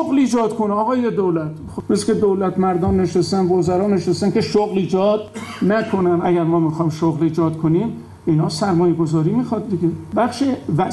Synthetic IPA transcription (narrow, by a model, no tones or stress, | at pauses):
oɣliːd͡ʒɒːd̪kʰonɒːɣɒːjed̪owlæt̪ | meskʲed̪oːlæt̪ʰmæɾd̪ɒːnːe̞ʃest̪ænvozæɾɒːne̞ʃest̪ænke̞ʃoɣliːd͡ʒɒːd̪̚nækʰonænæɡæɾmɒːmixɒjmʃoɣliːd͡ʒɒːd̪kʰonim | inhɒːsæɾmɒːjeɡozɒːɾiːmiːxɒd̪̚d̪iɡʲebæxʃevæ